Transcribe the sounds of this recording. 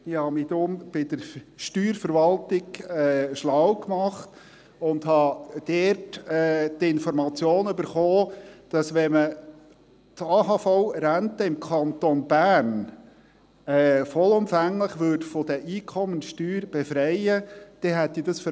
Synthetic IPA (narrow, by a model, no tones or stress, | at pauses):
ɪhɑmid̪ʊmb̥ɪd̥̪əɾʃtyːɾfəɾʋɑlt̪ɪɡɛʃlawkmɑχt̪ | ʊnd̪ɦɑd̥ɛtɛːtɪnfɔɾmɑt͡sjoːnybəɾχoːd̥ɑsʋɛmə | tɑːɦɑfɔʊɾænt̪əɪmkʰɑnt̪ɔnbæːɾn | ɛːfɔlʊmfæŋləχʋøɾdfɔd̥̪əʔiːkʰɔmənʃtyːɾb̥efɾɛɪəd̪̥ɛɦɛt̪ːid̥ɑsfə